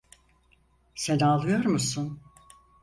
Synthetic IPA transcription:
senialˠɯjo̞ɾmusun

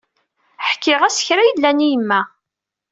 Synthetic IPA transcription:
ħkːɪʁæsəçɾæjəlːænijəmːæ

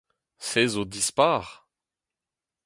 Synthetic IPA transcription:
sezod̪ispaːʁ

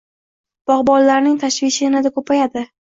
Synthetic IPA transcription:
b̥ɒʁbɒlːaɾnɪŋt̪ʰaʃvɪʃɪjanad̪akʰɵpʰajad̪ɪ

